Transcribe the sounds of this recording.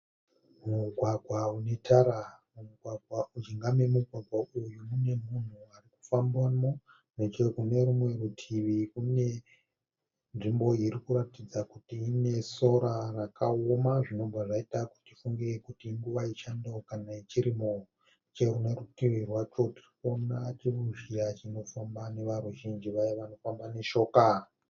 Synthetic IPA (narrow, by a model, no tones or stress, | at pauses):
muɡʱwaɡʱwaune̞tʰaɾamumuɡʱwaɡʱwaud͡ʒiŋɡamemuɡʱwaɡʱwaʔujumune̞mun̤uariku̥fambwano | net͡ʃekune̞ɾumwe̞ɾutʰiʋikune̞ | nʐimbo̞iɾikuɾatid͡zakutiːne̞so̞ɾarakaomaʐino̞bʱaʐaitaku̥tifuŋɡirekutiːŋɡuʋait͡ʃandokanait͡ʃiɾimo | t͡ʃe̞rune̞rutiʋirwat͡ʃo̞tirikonat͡ʃiruʒijat͡ʃino̞fambane̞ʋaɾuʒind͡ʒiʋajeʋano̞fambane̞ʃo̞ːka